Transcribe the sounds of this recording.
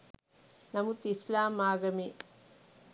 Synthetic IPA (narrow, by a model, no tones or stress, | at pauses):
nɐmut̪islaːmːaːɡɐmi